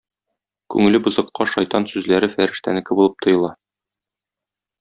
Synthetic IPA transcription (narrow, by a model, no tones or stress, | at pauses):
kʉ̰ŋɘlɘbɤ̆zɤ̆qːɑʃɒjt̪ɑnsʉzlæɾɘfæɾɘ̆ʃt̪ænɘ̆kɘbulˠɤp̚t̪ʰŏjɤ̆lˠɑ